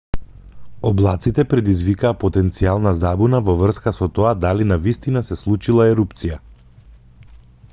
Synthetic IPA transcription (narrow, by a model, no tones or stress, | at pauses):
ɔblˠat̪sit̪ɛpɾɛd̪izvikaːpɔt̪ɛnt̪sialˠnazabunavɔvr̩skasɔt̪ɔad̪alinavist̪inasɛslˠut͡ʃilˠaɛɾupt̪sija